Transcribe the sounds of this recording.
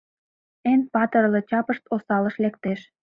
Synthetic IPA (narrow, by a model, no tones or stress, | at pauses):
enpɑt̪ərlɤt͡ɕɑpəʃt̪osɑləʃlek̚t̪eʃ